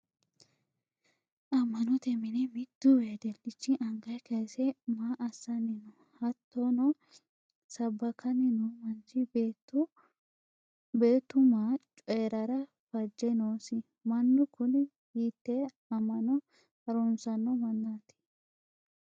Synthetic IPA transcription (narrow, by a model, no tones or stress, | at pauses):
ʔɐmːɐnɔt̪ɛmɪnɛmɪd̪̥ːʊweːd̪ɛlɪt͡ʃːɪʔɐŋɡɐjkɐjsɛmaːʔɐsːɐnɪnɔ | hɐt̪ːɔnɔ | sɐbːɐkʰɐnɪnɔmɐnt͡ʃɪ | beːt̪ːʊmaːt͡ʃʼɔjɛɾɐɾɐ | fɐd͡ʒːɛnoːsɪ | mɐnːʊkʊnɪ | hiːt̪ːɛ | ɐmːɐnɔ | hɐɾɔnsɐnːɔmɐnːaːt̪ɪ̥